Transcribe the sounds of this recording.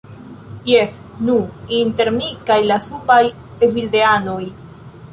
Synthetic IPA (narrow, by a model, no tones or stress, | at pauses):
jes | nuinte̞ɾmikajlasubaj | evildeano̞j